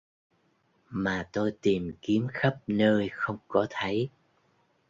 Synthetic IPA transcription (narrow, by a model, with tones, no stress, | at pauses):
maː˨˩t̪o˧jt̪i˨˩mki˨˦əmxə˦˥p̚nəː˧jxə˧wŋ͡mkɔ˨˦t̪ʰə˨˦j